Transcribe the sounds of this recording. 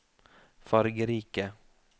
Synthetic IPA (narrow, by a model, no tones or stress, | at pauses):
fɑɾɡəɾiːkə